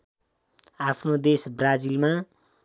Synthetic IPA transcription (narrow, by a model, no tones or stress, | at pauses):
apʰnod̪esbrad͡zilma